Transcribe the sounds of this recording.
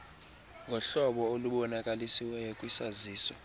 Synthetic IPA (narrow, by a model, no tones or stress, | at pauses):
ŋɡʱɔɬɔɓɔoluɓɔnakʼalisiwɛjɔkʼwisaziːsɔ